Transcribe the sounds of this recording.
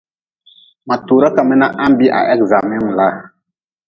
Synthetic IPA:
ma˨tu˨ɾa˦ka˨mɛ˦na˦ʔa˦m˦bi˦ʔa̰˨ʔɛ˦kza˨mɛ˦m˨la˦˨

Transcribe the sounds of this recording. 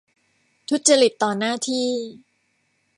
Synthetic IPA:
t̪ʰu˦˥t̪̚t͡ɕa˧ɾi˨˩t̪ːɔː˨˩naː˥˩t̪ʰiː˥˩

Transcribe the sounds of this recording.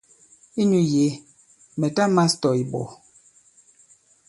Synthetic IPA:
i˦nu˦je˨˦ | mɛ˨ta˦ma˦stɔ˨i˨bɔ̰˨

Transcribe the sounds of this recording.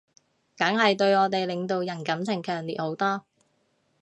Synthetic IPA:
kɐ˨˥ŋhɐ˨jt̪ɵ˧ɥɔː˨˧t̪e˨jlɪ˨ŋt̪o˨˧wjɐ˨˩nkɐ˨˥mt͡sʰɪ˨˩ŋkʰœː˨˩ŋliː˨t̚ho˨˥wt̪ɔː˥

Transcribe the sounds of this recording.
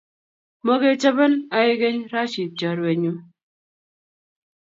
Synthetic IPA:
mo˦ɡe˦t͡ʃə˦bə˦na˨e˦ɡe˦ɲɾa˦ʃi˨t͡ʃa˨ɾe˨ɲu˦

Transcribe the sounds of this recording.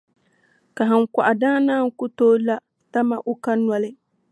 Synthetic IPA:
ka˨ɦa˨ŋ˨kʷa˨ʔa˨daː˦naː˦˨ŋ˦kʊ˦toː˦la˦ | ta˦ma˦ʔʊ˦ka˦nwa˦lɪ˦

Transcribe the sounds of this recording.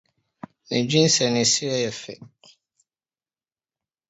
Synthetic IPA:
nɪ̃˨d͡ʑᶣĩ˦n̩˦sɛ˨nɪ̃˨si˦ɾɛ˦jɛ˨fɛ̰˨

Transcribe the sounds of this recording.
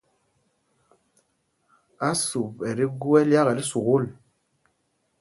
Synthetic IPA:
a˦su˨pɛ˨ɾi˦ɡu˦ɛ˦lja˦ɣɛ˨li˦su˨ɣu˦˨l

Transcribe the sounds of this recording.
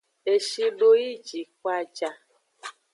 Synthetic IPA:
e˨ʃi˧ɖo˧ji˦˨d͡ʒi˨˦k̚wa˧d͡ʒa˧

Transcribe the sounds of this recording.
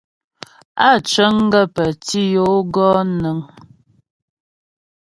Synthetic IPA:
a˦˨t͡ʃə˦ŋ˦ɡə˦pə˨ti˦jo˦ɡɔː˦nə˨˦ŋ

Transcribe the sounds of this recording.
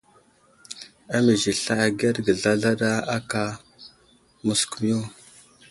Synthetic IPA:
a˦mi˨zi˨ɬa˦˨a˨ɡe˦ɾɡə˨ɮa˦ɮa˦ɗa˦a˦ka˦ | mu˨sku˨m˦jo˦

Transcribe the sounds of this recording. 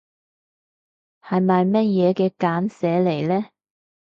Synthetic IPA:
hɐ˨jmɐ˨jmɐ˥t̚jɛː˨˧kɛː˧kaː˨˥nsɛː˨˥le˨˩jlɛː˥

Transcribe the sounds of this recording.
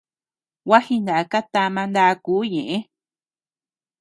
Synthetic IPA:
wa˦hi˧nd̪a˨ʔa˧ka˦t̪a˧mã˧nd̪a˧kuː˨˦ɲẽ˨ʔẽ˦

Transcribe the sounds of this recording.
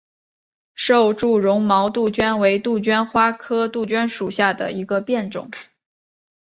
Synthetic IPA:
ʂo˥˧ʊʈ͡ʂu˥˩ɻʊ˧˥ŋmɑ˧˥ʊt̪u˥˩t͡ɕɥɛ˥nwe˧˥ɪt̪u˥˩t͡ɕɥɛ˥nxwa˥kʰɤ˥t̪u˥˩t͡ɕɥɛ˥nʂu˨˩ɕja˥˩d̪ə̰˩ʔi˧˥ɡə˧pjɛ˥˩nʈ͡ʂʊ̰˨˩˦ŋ

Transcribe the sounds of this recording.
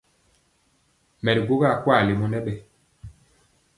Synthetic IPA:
mɛ˨di˨ɡu˦ɡa˦˨kwa˦˨li˨mɔ˦nɛ˦ɓɛ˨

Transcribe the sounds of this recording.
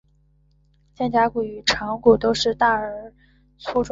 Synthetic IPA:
t͡ɕjɛ˥˩nt͡ɕja˥ku˨˩y˨˩ʈ͡ʂʰɑ˧˥ŋku˨˩t̪o˥ʊʂɻ̩˥˧t̪a˥˩ə˞˨˩ | t͡sʰu˥ʈ͡ʂʊ˥

